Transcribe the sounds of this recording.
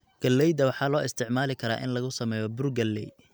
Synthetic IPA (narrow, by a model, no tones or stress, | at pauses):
ɡ̥ɐlːɛjd̪ɐwɑħɑːlɔːɪst̪ʰɪʕmaːlɪkʰɐɾa̰ːʔɪ̰nlɐɣʊsɐmɛːjɔbʊrɡɐlːɛ̰j